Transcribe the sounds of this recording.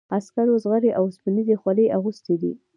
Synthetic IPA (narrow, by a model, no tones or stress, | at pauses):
askaɾozɣaɾeʔawspinid̪exwaləjʔaɣust̪ed̪ḭ